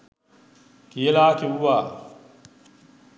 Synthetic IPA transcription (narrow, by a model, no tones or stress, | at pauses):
kielaːkʲiwuwaː